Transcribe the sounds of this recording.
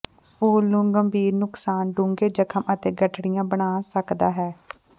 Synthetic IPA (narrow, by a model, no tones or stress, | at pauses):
oːlʊŋɡəmbiːɾnʊksaːnɖʊ̃ŋɡeːd͡ʒəkʰəmət̪eːɡəʈɽijãːbəɽ̃aːsəkd̪aːɦɛː